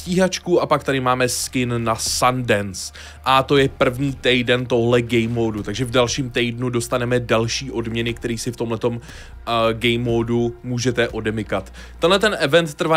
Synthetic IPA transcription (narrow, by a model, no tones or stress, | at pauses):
ciːɦat͡ʃkuʔapak̚t̪adɪmaːmɛskɪnːasandɛns | ʔat̪o̞jɛpr̩vɲiːt̪ɛjdɛnt̪o̞ɦlɛɡɛjmoːdut̪aɡʒɛvdalʃiːmt̪ɛjdnudo̞st̪anɛmɛdalʃiːʔo̞dmɲɛnɪkt̪ɛɾiːsɪft̪o̞mlɛt̪o̞m | ɡɛjmoːdumuːʒɛt̪ɛʔo̞dɛmɪkat̪ː | ɛnɦlɛt̪̬ɛnʔɛvɛnt̪ːr̩va